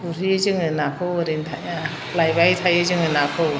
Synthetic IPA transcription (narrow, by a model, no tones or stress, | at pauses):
uɾizɯŋɯnakʰɯwɾintʰaa | lajbajtʰajɯzɯŋɯnakʰɯw